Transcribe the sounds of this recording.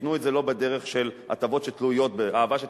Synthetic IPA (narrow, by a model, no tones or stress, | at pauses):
nuetzelo̞bedeʁeχʃe̞la̰tavo̞tʃet̪lujo̞tbeʔaːvaʃe